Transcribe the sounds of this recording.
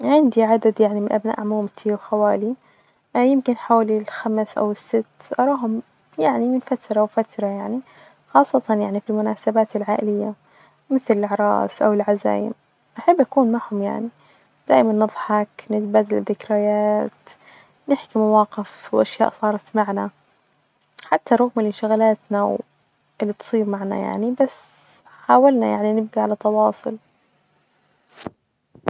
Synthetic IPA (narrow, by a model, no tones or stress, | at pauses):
ʕɪnd̪iʕad̪ad̪jaʕnimɪnʔabna̰ːʔʕmuːmt̪ʰiwxawaːli | jɪmkɪnħawalilxamsʔa̰wɪsːɪt̪ːʔɑɾˤɑːɦʊm | jaʕnimɪnfat̪ɾˤɑwfat̪ɾˤɑjaʕni | xɑːsˤːɑt̪ɑnjaʕnifilmʊnaːsabaːt̪ɪlʕaːʔɪlɪjːa | mɪθlɪlʕɾˤɑ̰ːsʔawɪlʕaza̰ːjɪ̰m | ʔaħabːʔakuːnmaʕhʊmja̰ʕni | d̪̥aːʔmanːɨðˤħɑknɪt̪̚baːd̪alɪðːɪkɾajaːt̪ | nɪħkimawɑːqɪfwʔaʃja̰ːʔsˤɑːɾˤɑt̪maʕna | ħat̪ʰːaɾˤɑɣmɪlʔɪnʃaɣalaːt̪naw | ʔɪlːit̪sˤiːbmaʕna̰ja̰ʕnibas | ħaːwalna̰ja̰ʕninɪb̚ɡiʕalat̪ːɑwɑːsˤʊ̰l